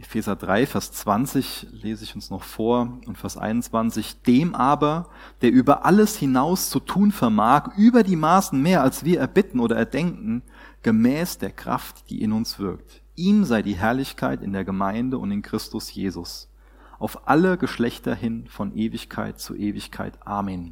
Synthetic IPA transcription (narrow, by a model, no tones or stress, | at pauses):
ʔefɛːzɐdʁaɪfɛɐst͡sv̥ant͡sɪçleːzəɪçʊnsnɔχfoːɐʊntfɛɐstʔa̰ɪnʊnt͡sv̥ant͡sɪçd̥eːmʔaːbɐ | d̥eːɐʔyːbɐʔaləshɪnaʊst͡sutʰuːnfɛɐmaːkʔyːbɐdiːmaːsn̩meːɐalsv̥iːɐɛɐbɪtn̩ʔoːɾɐɛɐdɛŋkŋ̩ | ɡ̥əmɛːsd̥eːɐkʁ̥a̰ftd̥ḭːʔɪnʊnsv̥ɪɐkt | ʔiːmzaɪdiːɦɛɐlɪçkʰa̰ɪtɪ̰ndeːɐɡəmaɪndəʊ̰ntɪnkʁ̥ɪstʊsjḛːzʊs | ʔaʊfʔa̰ləɡəʃlɛçtɐ̰hɪnfɔnʔeːvɪçkʰa̰ɪtt͡sṵʔeːvɪçkʰa̰ɪtʔaːmɛn